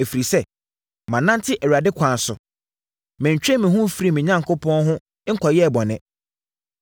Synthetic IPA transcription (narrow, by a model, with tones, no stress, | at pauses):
e˨fi˨ɾi˨sɛ˦ | mã˨nã˦ntʰɪ˦ʔɛ˨ɥa˨dɪ˦kʷʰã˨n˨sʊ̰˨ | mɪ̃˨ɲ˨t͡ɕᶣɛ˦mɪ̃˨ɦʊ̃˦fɾi˦˨mɪ̃˨ɲã˦ŋkʰʊ˦pʰɔ̃˦nɦʊ̃˦ | ŋ̩˦kʰɔ˨jɛ˦˨bɔ˨nɪ̃˨